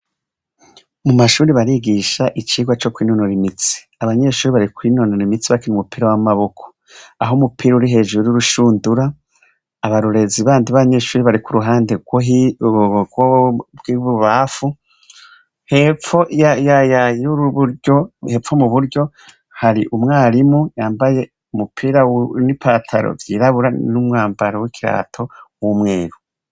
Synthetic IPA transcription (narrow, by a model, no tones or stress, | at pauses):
mumaʃuːɾiβaɾiɡiʃaʔit͡ʃiːɡwat͡ʃo̞kwiːnonoɾimit͡si̥ | aβaɲe̞ːʃuːɾiβaɾikwiːno̞noɾimit͡siβakinumupʰiːɾawamaβo̞kʰo̥ | aɦomupʰiːɾauɾiɦe̞ʒuuɾuɾuʃuːnduɾaː | βaɾuɾe̞ziβaːndiβaβaɲe̞ːʃuːɾiβaɾikuɾuɦaːndeɡoi | ɡobɡiβuβafu | hefoajajauoheːfomuβuɾɟo̞ | haɾiʔumŋaːɾimujaːmbaje̞ | umupʰiːɾanipʰatʰa̰ɾo̰vjiːɾaβuɾanumŋaːmbaɾawikʰiɾa̰ːtʰo̞wumŋe̞ːɾu